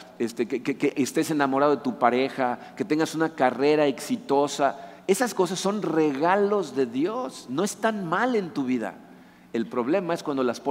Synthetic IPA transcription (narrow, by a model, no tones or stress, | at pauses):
est̪ekekekeʔest̪e̞se̞namo̞ɾaðo̞ðe̞t̪upaɾe̞xake̞t̪e̞ŋɡasunakare̞ɾae̞ksit̪o̞sae̞sasko̞s̬asːo̞nre̞ɣalo̞zðe̞ðjo̞sno̞e̞st̪anmale̞nt̪uβ̞iða̰ | e̞lpɾo̞βle̞mae̞skwand̪o̞laspo